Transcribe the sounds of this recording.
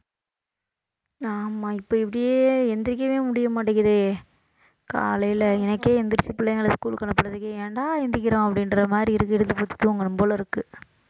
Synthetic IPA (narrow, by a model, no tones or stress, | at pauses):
aːmaːɪpːoːɪpːɐɽɪjeːɛnd̪ɾɪk̬ːɐʋeːmʊɽɪjɐmaːʈːɪŋɡɐðɯ | ka̰ːlɐjɪlɐɛnɐkːeːɛnd̪ɪɾsipɪlːɐŋɡɐɭɐskuːlkɐɳɐpːɐɽɐðɯkːeːʋeɳɖaːɪnd̪ɪk̬ʲːɪɾõːɐpːɐɽɪnɾɐmaːd̪ɾiɪɾɯkːɪɽɯt̪ːɯpot̪ːɯ̥t̪ːɯɔŋɡɐɳɯmpoːlɐɪɾɯkːɯ